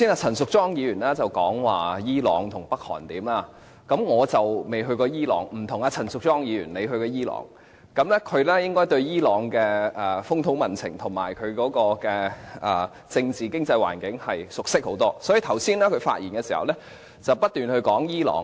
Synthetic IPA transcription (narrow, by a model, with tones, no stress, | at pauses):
siː˥naː˧t͡sʰɐ˨˩nsʊ˨k̚t͡sɔː˥ŋjiː˨˧ɥyː˨˩nlaː˥t͡sɐ˨wkɔː˨˥ŋwaː˨jiː˥lɔː˨˧ŋt̪ʰʊ˨˩ŋpɐ˥k̚hɔ̰ː˨˩nt̪iː˨˥maː˧ | kɐ˨˥mŋɔː˨˧t͡sɐ˨wme˨˩jɦɵ˧ɥkɔː˧jiː˥lɔ̰ː˨ŋm̩˨˩t̪ʰʊ˨˩ŋaː˧t͡sʰɐ˨˩nsʊ˨k̚t͡sɔː˥ŋjiː˨˧ɥyː˨˩nle˨˧jɦɵ˧ɥkɔː˧jiː˥lɔ̰ː˨˩ŋ | kɐ˨˧˥mlɛː˥kʰɵ˨˧ɥlɛː˥jɪ˥ŋkɔː˥jt̪ɵ˧ɥjiː˥lɔː˨˥ŋkɛː˧ɛ˨fʊ˥ŋt̪ʰʊ˨˧˥ŋmɐ˨nt͡sʰɪ̰˨˩ŋt̪ʰʊ˨˩ŋma̰ː˨˩jkʰɵ˨˧ɥkɔː˨˥kɔː˧kɛː˧ʔɐː˨˩ | t͡sɪ˧ŋt͡siː˨˩kɪ˥ŋt͡sɐ˧jwa̰ː˨˩nkɪ˨˥ŋhɐ˨jsʊ˨k̚sɪ˥k̚ho˨˥wt̪ɔː˥sɔː˨˥ji˨t̪ʰɐ˨˩wsiː˥nlɛː˥kʰɵ˨˧ɥfa̰ː˧t̚jiː˨˩nkɛː˧si˨˩hɐ̰˨wlɛ˥ | t͡sɐ˨wpɐ˥t̚t̪yː˨nhɵ˧ɥkɔː˨˥ŋjiː˥lɔ̰ː˨ŋ